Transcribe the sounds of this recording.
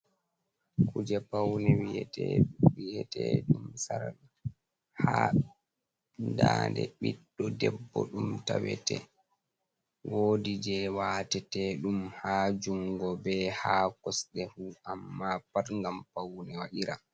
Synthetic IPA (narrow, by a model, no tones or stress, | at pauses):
kʰud͡ʒɛpawnɛwiɛtɛwijɛtɛɗumsaɾa | ha | ndaːndɛɓiɗːɔdɛbːɔɗumtawɛ̰tɛ | wʔoːdid͡ʒɛwaːtɛtɛɗumhaːd͡ʒuŋɡɔbɛhaːkɔsɗɛhuamːapaɾŋɡampawnɛwaʔiɾa̰